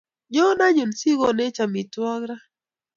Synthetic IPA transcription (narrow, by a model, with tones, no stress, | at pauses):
ɲɔ˦na˦ɲu˨nsi˦ɡɔ˦nɛ˦t͡ʃa˨mi˨twɔ˦ɡɾa˦